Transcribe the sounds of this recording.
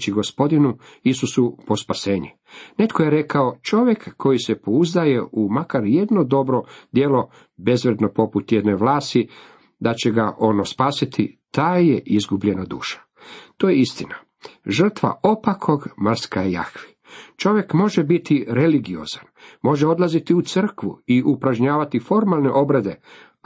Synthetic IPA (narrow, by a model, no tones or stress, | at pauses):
t͡ɕiɡo̞spo̞d̪inuisusupo̞spase̞ːɲu | ne̞t̪kʰo̞jeɾe̞kao̞t͡ʃo̞ʋje̞kːo̞jise̞po̞uzd̪aje̞umakaɾje̞d̪no̞d̪o̞bɾo̞d̪je̞lo̞ | be̞zʋɾed̪no̞po̞put̪jed̪neʋlaːst̪i | d̪at͡ɕe̞ɡaʔo̞nospaːsit̪ʰit̪aːjeʔizɡubʎe̞nad̪ṵːʃḁ | t̪o̞jeist̪ina | ʒr̩t̪ʋa̰ʔo̞pakʰo̞ɡmr̩skaeja̰xʋi̥ | t͡ʃo̞ʋje̞kmo̞ʒebit̪iɾe̞liɡio̞̰zanmo̞ʒeo̞d̪lˠazit̪iut̪sɨr̩kʋṵiʔupɾaʒɲaːʋat̪ifo̞ɾmalˠne̞ʔo̞bɾed̪e̞